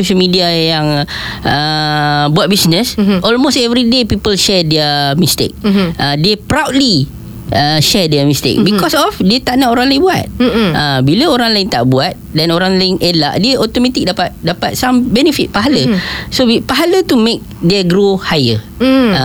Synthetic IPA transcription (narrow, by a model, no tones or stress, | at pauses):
soʃəlmidiajaŋəbuat̪̚bisnəsʔɔlmostɛvɾidepipəlʃɛdɛəmist̪ḛk̚ədepɾawt̚li | əʃɛdɛmist̪ḛk̚bikɔsɔfdet̪aʔnaoɾãŋlajɪ̃bua̰t̪̚əbiləoɾãŋlaɪnt̪aʔbuat̪̚dɛnoɾãŋlaɪŋʔelaʔdəʔɔt̪omat̪ik̚dapat̪̚dapat̪̚sãmbɛnəfit̪̚paɦaləsoipaɦalət̪umek̚dɛɡɾohajə